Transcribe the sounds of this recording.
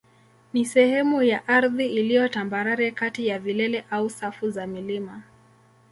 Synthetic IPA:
nisɛhɛmujaʔaɾðiilijɔtambaɾaɾɛkatijavilɛlɛʔausafuzamilima

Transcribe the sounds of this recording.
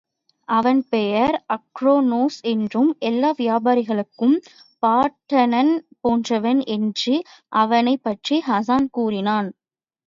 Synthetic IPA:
ʔɐʋɐnpɛjɐɾɐkɾoːnoːsɛndrɯmʔɛlːaːʋɪjaːbaːɾɪɣɐɭɯkːɯmpaːʈːɐnɐnpoːndrɐʋɐnɛndrɯʔɐʋɐnɐɪpːɐʈriɦɐs̬aːnkuːrɪnaːn

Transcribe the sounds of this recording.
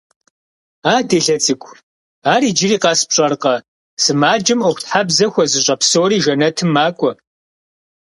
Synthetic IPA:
aːdeːɬɐt͡sʼɨkʷʰʼ | aːɾiːd͡ʒɪriːqɑːspɕʼɐrqɐ | sɨmaːd͡ʒɪmoxʷtħabzɐxʷɔzɨɕʼɐpsoːɾiːʒɐnɐtʰɨmːaːkʷʼɔ

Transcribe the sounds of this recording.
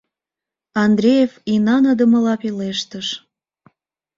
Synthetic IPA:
ɑnd̪ɾʲejefinɑnəd̪ə̆mə̆lɑpileʃt̪əʃ

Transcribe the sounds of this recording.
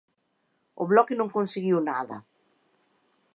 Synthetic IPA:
ʊ̰βlɔkɪnõŋkõnseɣiwnaðɐ̰

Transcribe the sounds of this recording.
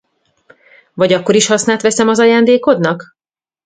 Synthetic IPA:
vɒɟɒkːo̞ɾiʃhɒsnaːt̪ʋɛsɛmɒzɒjaːnd̪eːko̞d̪nɒk

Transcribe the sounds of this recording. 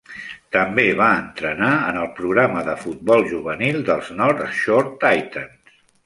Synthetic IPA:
t̪əmbeβ̞aənt̪ɾənaənəlˠpɾuɣɾaməðəfut̪̚bɔlˠʒuβənilˠd̪əlˠznɔɾt̪ʃoɾt̪ajt̪əns

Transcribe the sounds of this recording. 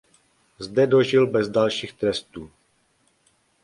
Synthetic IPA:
zdɛdo̞ʒɪlbɛzdalʃiːxt̪ɾɛst̪uː

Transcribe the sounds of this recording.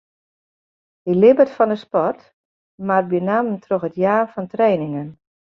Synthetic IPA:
ilɪbətfɔndəspɔrt | mar̚bjənaməntʰroxətjaːfɔntrɛːnɪŋən

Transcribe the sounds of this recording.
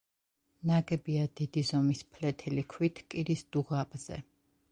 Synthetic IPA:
naɡɛbiad̪̥id̪izɔmispʰlɛt̪ʰɛlikʰwit̪ʰkʼiɾisd̪̥uʁapʼz̥ɛ̰

